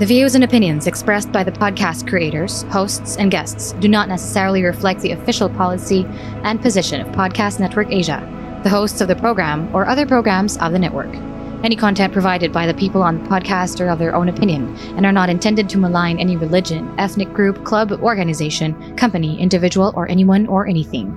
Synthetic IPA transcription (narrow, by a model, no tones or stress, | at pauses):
ðɨvjozɨ̃nɨpɪ̃njɨ̃nzɨkspɹɛsb̥aɪðɨpʰɑd̚kʰæstkʰɹ̥ieɪɾə˞z̥hoʊstsɨ̃nɡɛstsd̥ɨnətⁿnɛsə̥sɛɹl̩ˠiɹɨflɛk̚t̪̚ðiɨfɪʃl̩ˠpʰɑlˠəsi | ʔɨ̃npʰɨzɪʃɨ̃nʌ̰v̥pʰɑd̚kʰæstⁿnɛt̚wə˞keɪʒɨ̰ | ðɨɦoʊstsʌvðɨpʰɹ̥oʊɡɹæ̃mə˞ʔʌðə˞pʰɹ̥oʊɡɹæ̃mzʌ̰vðɨnɛ̰ʔwə̰˞k | ɛñikʰɑ̃ntʰɛ̃npʰɹ̥ɨvaɪɾɨd̚baɪðɨpʰipl̩ˠə̃nðəpʰɑd̚kʰæstə˞ʌvðə˞ʔõʊ̃nɨpʰɪ̃njɨ̃n | ɨ̃nə˞nəɾɨ̃ntʰɛ̃ndɨd̚tʰɨməlãɪ̃nɛniɹɨlɪd͡ʒɨ̃nɛθnɨk̚ɡ̥ɹʉp̚kʰl̥ʌbɔɹɡɨnɨzeɪʃɨ̃n | kʰʌ̃mpɨniʔɪ̰̃ndɨvɪd͡ʒəwl̩ˠʔə˞ʔɛniwʌ̃nə˞ʔɛniθɪ̰̃ŋ